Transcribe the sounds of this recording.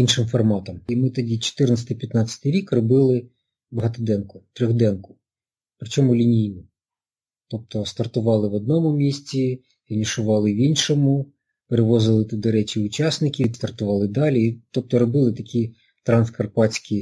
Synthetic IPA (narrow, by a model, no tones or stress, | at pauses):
inʃɪmfɔrmɑt̪ɐmimɪt̪ɔdʲit͡ʃɔ̥t̪ɪrnɐsʲət̪ɪjpʲjɐt̪nɑt͡sʲɐ̥t̪ɪjɾʲikrɔbɪlˠɪ | bɐɦɑt̪ɔd̪ɛnkʊt̪ɾʲɔɣd̪ɛnkʊ̥ | pɾɪt͡ʃɔmʊlʲinʲijnɔ | t̪ɔp̚t̪ɔst̪ɐrt̪ʊʋɑlˠɪʋɔd̪nɔmʊmʲisʲt͡sʲi | ɪnʲiʃʊʋɑlˠɪʋʲinʃɔmʊ | peɾeʋɔzɪlˠɪt̪d̪ɔɾɛt͡ʃʲiʊt͡ʃɑsnɪkʲist̪ɐrt̪ʊʋɑlˠɪd̪ɑlʲit̪ɔp̚t̪ɔɾɔbɪlˠɪt̪ɐkʲʰi | t̪ɾɐnskɐrpɑt͡sʲkʲi